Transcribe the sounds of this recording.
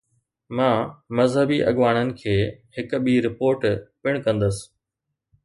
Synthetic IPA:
mãːmɐzɦəbiʔɐɠʋaːɽ̃ənɪ̆kʰeːhɪk̆ɓiːɾɪpoːɾʈpɪɽ̃kɐ̃nd̪əsɪ̥

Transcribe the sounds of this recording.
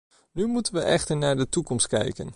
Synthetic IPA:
nymutənʋəʔɛχtəɹnaːɹdətukɔmstkɛ̰jkə̰n

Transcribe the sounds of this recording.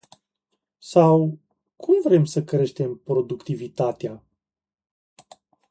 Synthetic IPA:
saw | kʰumvɾe̞msəkɾe̞ʃt̪e̞mpɾo̞d̪ukt̪ivit̪at̪ea

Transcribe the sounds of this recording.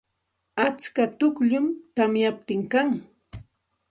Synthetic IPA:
at͡skat̪ʊkʎʊmt̪amjap̚t̪ɪŋkaŋ

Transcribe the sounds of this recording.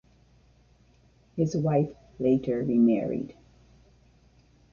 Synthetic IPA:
hɪzwaɪf | leɪɾə˞ɹimɛɹḭd̥

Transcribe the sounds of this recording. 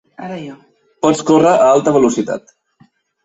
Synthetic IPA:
a | pɔt͡skorəʔəalˠt̪əβəlusit̪a̰t̪

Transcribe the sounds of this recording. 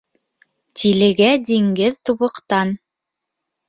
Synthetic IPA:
t̪ʰilɘ̆ɡæd̪iŋɡɘðt̪uβɤ̆qt̪ɑn

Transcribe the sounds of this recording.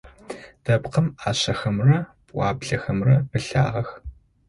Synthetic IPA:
d̥ɐpqɐmaːɕɐxɐmrɐ | ʔʷɑ̰ːbɮɐxɐmrɐbɨɬa̰ːʁɐx

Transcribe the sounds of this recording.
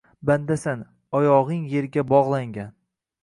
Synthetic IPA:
band̪asan | ɒjɒʁɨŋje̞ɾɡʲabɒʁlˠaŋɡʲan

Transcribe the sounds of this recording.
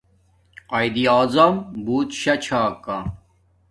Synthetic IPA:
ɐjd̪iaːzɐmbuːt̪ɕɐt͡ɕʰaːka

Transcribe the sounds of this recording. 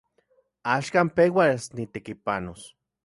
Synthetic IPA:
aʃkaːmpewasnit̪ekipanos

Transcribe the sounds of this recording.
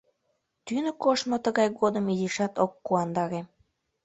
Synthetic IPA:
t̪ynə̆koʃmot̪əɣɑjɣod̪əmiziʃɑt̪okːuɑnd̪ɑɾe

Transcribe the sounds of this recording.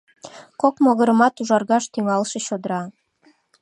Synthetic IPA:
kokmoɣə̆ɾə̆mɑt̪uʒɑɾɣɑʃt̪yŋɑlˠʃɤ̆ɕod̪əɾɑ

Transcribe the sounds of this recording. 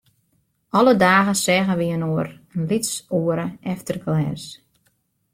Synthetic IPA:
ɔlədaːɣəsɛɣəʋiənoəɾənlitsuəɾəʔɛftərɡlɛːs

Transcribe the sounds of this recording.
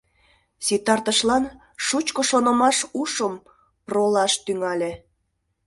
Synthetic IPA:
sit̪ɑrt̪əʃlɑn | ʃut͡ɕkoʃonə̆mɑʃuʃəm | prolɑʃt̪yŋɑlʲe

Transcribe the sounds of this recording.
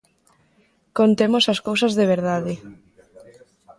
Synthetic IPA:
kont̪emosaskowsɐzðeβ̞eɾð̞aðɪ

